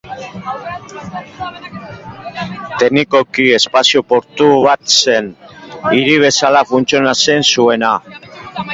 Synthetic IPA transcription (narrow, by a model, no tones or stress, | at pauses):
t̪e̞niko̞kie̞spasiopo̞ɾt̪uβat̪se̞niɾiβ̞e̞salafunt͡sionase̞nsue̞na